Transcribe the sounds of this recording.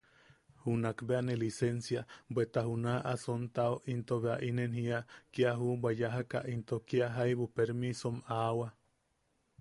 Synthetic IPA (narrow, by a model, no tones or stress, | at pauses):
hunakbeanelisensjabʷet̪aɦunaʔasont̪aoʔint̪oβeaʔinenhiakiaɦubʷwajaɦaka̰ʔint̪okiaɦajβupeɾmisomawa